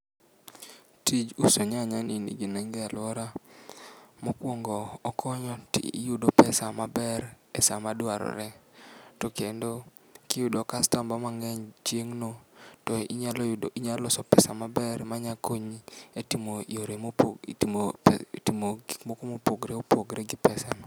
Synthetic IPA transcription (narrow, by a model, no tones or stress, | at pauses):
tid͡ʒusoɲaɲaninḭɡinɛŋɡɛalwɔɾa | mokwoŋɡɔːkʰɔɲɔtḭijudopɛsamabɛɾ | ɛsamadwaɾɔ̰ɾɛtɔkendo | kɪjudɔkastambamaŋɛɲt͡ʃeŋnotɔiɲaliɲalɔsɔpɛsamabɛɾmaɲakoɲietimoijoɾemop | tmoɡimokomopoɡɾeopoɡɾɛɡɪpɛsan